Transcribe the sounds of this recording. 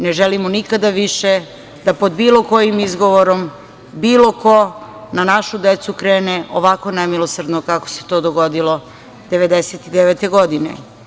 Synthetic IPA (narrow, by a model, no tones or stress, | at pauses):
neʒelimonikad̪aʋiʃe | d̪apod̪biːloko̞jimizɡo̞ʋoɾom | biːlo̞ko̞nanaʃud̪et̪sukɾe̞ːneʔoʋako̞nemilˠosrd̪nokako̥se̞̥t̪o̞ːd̪oɡod̪ilo̞ | d̪̥eʋe̞d̪eset̪id̪eʋeːt̪e̞ɡod̪inḛ